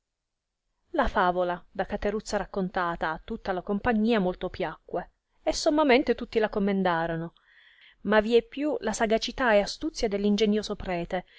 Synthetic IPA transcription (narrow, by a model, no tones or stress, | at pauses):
lafaːvolad̪akat̪eɾut̪sːaɾakːont̪aːt̪aːt̪ːut̪ːalakompaɲːiːamolt̪opjakːwe | esːomːament̪et̪ut̪ːilakomːend̪aːɾono | maviɛpːjulasaɡat͡ʃit̪aeast̪ut̪sːjad̪elːind͡ʒeɲjoːzopɾɛːt̪e